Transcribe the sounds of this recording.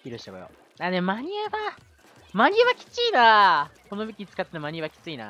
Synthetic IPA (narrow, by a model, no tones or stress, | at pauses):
iɾɯɕit̪ako̰jo̰ | anemmaɲ̟ieβa | maɲ̟ieβakʲi̥t͡siːnako̞no̞bekʲit͡sɨ̥kat̪ːenomaɲ̟ieβakʲi̥t͡sɨina̰